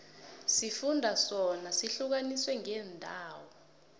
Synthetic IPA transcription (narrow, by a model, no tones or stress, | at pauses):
sifundʱasɔnasiɬuk̬aniswɛŋɛːndʱaːwɔ